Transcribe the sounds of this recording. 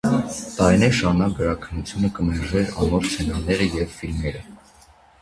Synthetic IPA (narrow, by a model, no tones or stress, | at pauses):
t̪ɑɾinɛɾʃɑnɑɡəɾɑkʰənːut͡sʰjunəkəmɛɾʒɛɾɑ̰nɔɾt͡sʰɛnɑnɛɾəjɛvfilmɛɾə